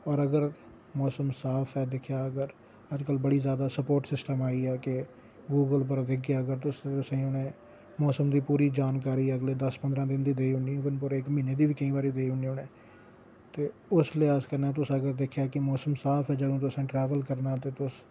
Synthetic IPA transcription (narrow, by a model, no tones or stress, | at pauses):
ɔːɾəɡəɾ | mɔːsəmsaːpʰɛːd̪ɪkʰjaːəɡəɾ | əd͡ʒkəlbəɽiːzjaːd̪aːsəpoːɾʈsɪsʈəmaːiːɛːkɪ | ɡuːɡəlp̬əɾd̪ɪkʰeːəɡəɾt̪ʊset̪ʊsẽːʊnẽː | mɔːsəmd̪iːpuːɾiːd͡ʒaːnkaːɾiːəɡleːd̪əspənd̪ɾãːd̪ɪnd̪iːd̪eːiɦʊnĩːʋənpʊɾɪkmĩːneːd̪iːʋiːkəĩːbaːɾiːd̪eːɦʊniːʊneː | t̪eːʊslɪːaːskəɾnɛːt̪ʊsəɡəɾd̪ekʰjaːkɪmɔːsəmsaːpʰɛːd͡ʒəɡõːt̪̬ʊsẽːʈɾɛːʋəlkəɾnaːt̪eːt̪ʊs